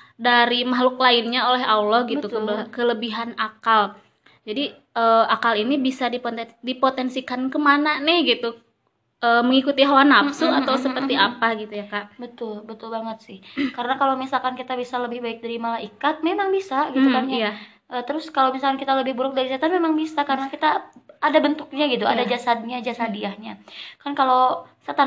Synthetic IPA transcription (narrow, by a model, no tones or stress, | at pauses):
daɾimaɦlʊklaɪnɲaolɛɦalɔhɡitt̪uk̪əbkələbiɦanakal | d͡ʒadi | əːakalinibisadipdipot̪ɛnsikankəmananɪhɡit̪u | ʔəːməŋikut̪iɦawanapsuat̪awsəpərt̪iapaɡit̪ujakaʔbət̪ʊlbət̪ʊlbaŋət̪̚sɪhkaɾənakalomisalkankit̪abisaləbɪhbaɪk̚daɾimalaʔikat̪̚memaŋbisaɡit̪ukkaɲaja | ʔət̪əɾʊskalowmisalkankit̪aləbɪhbəɾʊk̚daɾisat̪anmemaŋbisakaɾənakit̪aːdabənt̪ʊk̚ɲaɡit̪ua̰dad͡ʒasad̚ɲad͡ʒasadiahɲakankalowsat̪a